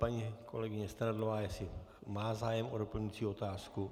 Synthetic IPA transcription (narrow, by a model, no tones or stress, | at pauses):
paɲiːkʰo̞̰lɛɡɪɲɛst̪aɾadlovaːjɛsɪmaːzaːjɛmʔodopl̩ɲit͡siːo̞t̪aːsku